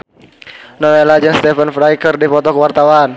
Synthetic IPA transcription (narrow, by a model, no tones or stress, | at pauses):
nɔwelad͡ʒɛnst̪ɛfənfɾajkərdipɔt̪ɔkəwart̪awan